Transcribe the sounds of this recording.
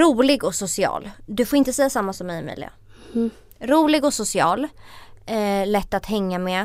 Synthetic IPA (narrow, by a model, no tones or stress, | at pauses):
ɾuːlɪɡɔsʊsɪɑ̰ːld̪ɵfoːɾɪnt̪əsɛjːasamːasɔmːɛjmɛ̰ːlɪ̰a̰ | ɾuːlɪɡɔsʊsɪɑ̰ːl | lɛt̪ːat̪hɛŋːamɛ